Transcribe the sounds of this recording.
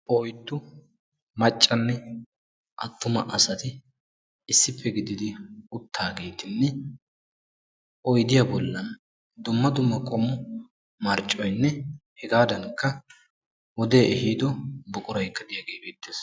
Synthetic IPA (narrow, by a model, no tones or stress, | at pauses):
ʔɔjt̪ːʊ | mɐt͡ʃʼːɐnːɛ | ʔɐt̪ːʊmɐ̰ʔɐsɐt̪ɪ | ɪsːɪpʰːɛɡɪd̪ɪd̪ɪʊt̪ʰːaːɡe̞ːt̪ɪnːɛ | ʔɔjd̪ɪjɐbɔlːɐn | d̪ʊmːɐd̪ʊmːɐkʼɔmʊ | mɐɾt͡ʃʼːɔjnːɛhɛɡaːd̪ɐŋkːɐ | wɔd̪e̞ːʔɛhiːd̪ɔbʊkʼʊɾɐjkːɐd̪ɪjaɡeːbeːt̪ːeːs